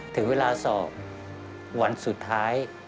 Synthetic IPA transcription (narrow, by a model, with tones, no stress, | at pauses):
t̪ʰɯ˩˦ŋweː˧laː˧sɔː˨˩k̚ | wa˧nsu˨˩t̪ʰːaː˦˥j